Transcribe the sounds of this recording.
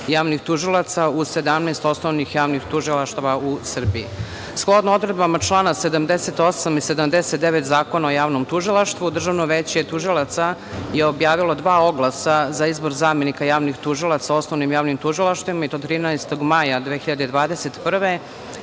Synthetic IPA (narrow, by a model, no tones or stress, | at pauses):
jaːʋnixt̪uʒilˠat̪sau̥sed̪amnɛst̪o̞snoʋnixjaːʋnixt̪uʒilˠaʃt̪aʋausr̩biḭ | sklˠod̪noo̞d̪ɾed̪bamat͡ʃlˠaːnased̪amd̪eset̪o̞samised̪amd̪eset̪̚d̪eʋet̪zaːkonaojaːʋnomt̪uʒilˠaʃt̪vʋud̪r̩ʒaʋnoʋet͡ɕiet̪uʒilˠat̪sa | jeo̞bjaːʋilˠod̪ʋaːo̞ɡlˠasazaizbo̞ɾzaːmjenikajaːʋnixt̪uʒilˠat̪sao̞snoʋnimjaːʋnimt̪uʒilˠaʃt̪ʋimait̪ot̪ɾiːnɛest̪o̞ɡmajad̪ʋeːxiʎad̪ed̪ʋaːd̪eset̪pr̩ʋe